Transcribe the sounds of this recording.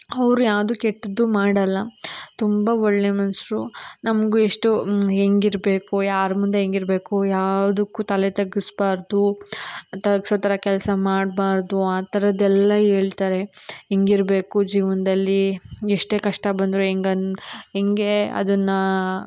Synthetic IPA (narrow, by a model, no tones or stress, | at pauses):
ɐʋɾujaːʋd̪ukeʈːɐd̪umaːɽɐlːɐt̪umbɐɔɭːe̞mɐnsɾunɐmɐɡueʂʈuɦeŋɡiɾbe̞ːkujaːɾmund̪eɦeŋɡiɾbe̞ːkujaːʋɐd̪ukːut̪ɐlet̪ɐɡisbaːɾd̪u | t̪ɐɡisoːt̪ɐɾɐkɛlsɐmaːɖbaːɾd̪uaːt̪ɐɾɐd̪ɛlːɐɦeːɭt̪aːɾe̞eŋɡiɾbe̞ːkud͡ʒiːʋɐnd̪ɐlːieʂʈe̞ːkɐʂʈɐbɐnd̪ɾueŋɡɐɦeŋɡe̞ɐ̰d̪ɐnːɐ